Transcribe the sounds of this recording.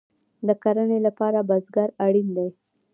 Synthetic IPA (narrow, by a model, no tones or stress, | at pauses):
d̪əkaɾənelapɑɾabazɡaɾaɽind̪aj